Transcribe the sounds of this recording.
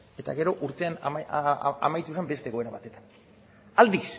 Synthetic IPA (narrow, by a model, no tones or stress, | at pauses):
e̞t̪a̰ɣe̞ɾo̞ʔuɾt̪e̞an | a̰majt̪usambe̞st̪eɣoeɾaβa̰t̪e̞t̪ḁn | ald̪is